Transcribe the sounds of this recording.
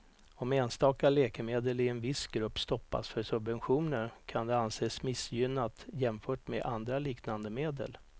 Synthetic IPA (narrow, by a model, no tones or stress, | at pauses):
ɔmeːnst̪ɑːkalɛːkəmeːd̪əlɪɛnvɪsɡɾɵpːst̪ɔpːa̰sfœʂɵbvɛnɧuːnəɾkʰand̪ɛanseːsmɪsjʏnːat̪jɛmfœːʈmeʔand̪ɾaliːknand̪əmeːd̪ə̰l